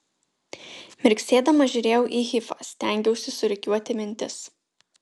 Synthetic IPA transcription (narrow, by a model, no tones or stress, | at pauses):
mʲɪɾʲksʲeːd̪ɐmɐʒʲʊɾʲeːjɛʊʔiːxʲɪfɐ̰sʲt̪ʲæˑŋʲɡʲɛʊsʲɪsʊɾʲɪkʲuɔt̪ʲɪmʲɪnʲt̪ʲɪs